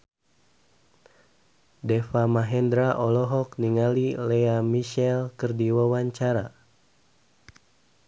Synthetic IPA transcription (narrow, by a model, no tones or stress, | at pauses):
dɛfamaɦɛndɾaʔɔlɔɦɔk̚niŋalilɛamiʃɛlkɨrdiwawaɲt͡ʃaɾa